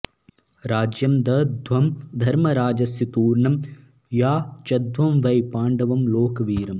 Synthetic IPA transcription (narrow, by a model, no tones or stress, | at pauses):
ɾaːd͡ʒjɐmd̪ɐd̪ʋɐmd̪ʱɐɾmɐɾaːd͡ʒɐsjɐt̪uːɾɳɐm | jaːt͡ʃɐd̪ʋɐmʋɐjpaːɳɖɐʋɐmloːkɐʋiːɾɐm